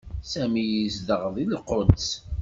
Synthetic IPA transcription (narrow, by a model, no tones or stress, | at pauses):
sæmijizd̪əʁðˤilqond̪s